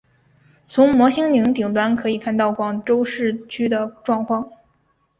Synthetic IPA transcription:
t͡sʰʊ˧˥ŋmwɔ˧˥ɕi˥ŋli˧˥ŋt̪̬i˨˩ŋt̪wa˥nkʰɤ˧˥i˨˩kʰa˥˧nt̪ɑ˥˩ʊkwɑ˨˩ŋʈ͡ʂo˥ʊʂɻ̩˥˩t͡ɕʰy˥d̪ə˨ʈ͡ʂwɑ˥˧ŋkʰwɑ˥˩ŋ

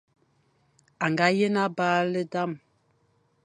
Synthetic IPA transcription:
a˨ŋɡa˨˦je˦na˦baː˦lə˦da˦˨m

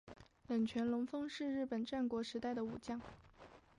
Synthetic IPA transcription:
lə˨˩ŋt͡ɕʰɥɛ˧˥nlʊ˧˥ŋfɤ˥ŋʂɻ̩˥˧ɻɻ̩˥˩pə˨˩nʈ͡ʂa˥˩nkwɔ˧˥ʂɻ̩˧˥t̪a˥˩ɪd̪ə˩u˨˩t͡ɕjɑ˥˩ŋ

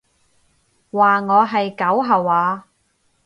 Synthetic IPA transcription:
waː˨ŋɔː˨˧ɦɐ˨jkɐ˨˥wɦɐ˨waː˨˧

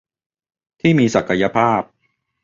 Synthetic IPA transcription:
t̪ʰiː˥˩miː˧sa˨˩kʰa˧ja˧˥pʰaː˥˩p̚

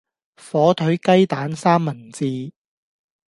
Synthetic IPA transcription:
fɔː˨˥t̪ʰɵ˨˥ɥkɐ˥jt̪aː˨˥nsaː˥mːɐ˨˩nt͡siː˧

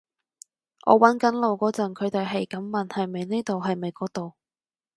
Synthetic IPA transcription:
ʔɔ̰ː˨˧wɐ˨˥nkɐ˨˥nlo˨wkɔː˨˥t͡sɐ˨˩nkʰɵ˨˧t̪e˨˧jɦɐ˨jkɐ˨˥mːɐ˨nhɐ˨jme˨˧jneː˥t̪o˨wɦɐ˨jme˨˧jkɔː˨˥k̚t̪o˨w

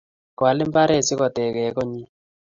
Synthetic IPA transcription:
kwa˨lɪ˦mba˦ɾɛ˦˨sɪ˦kɔ˨t̪ɛ˨kɛ˨˦kɔ˦ɲi˦

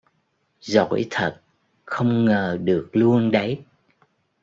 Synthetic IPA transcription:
zo̰˧˨jt̪ʰə˨˩t̚ | xə˧wŋ͡mŋəː˨˩ɗɨ˨˩ək̚lu˧ənɗə˨˦j

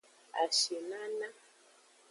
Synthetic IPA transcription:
a̰˨ʃe˨na˦na˦

